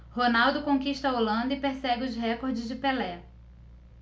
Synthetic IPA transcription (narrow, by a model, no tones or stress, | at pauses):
honawd̪ʊkõkiʃt̪ɐolɐ̃nd̪ɐɪpeɾsɛɡɪʊzɦɛkoɾd͡ʒɪzd͡ʒɪpelɛ